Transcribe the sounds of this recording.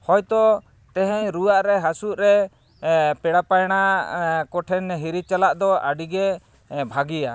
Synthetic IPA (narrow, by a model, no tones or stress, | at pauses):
hɔjt̪ɔ | t̪ɛɦɛɲɾuwaʔɾɛɦasuʔɾɛ | pɛɽapajɽ̃akɔʈʰɛnɦiɾit͡ʃalaʔd̪ɔaɖiɡɛ | bʱaɡija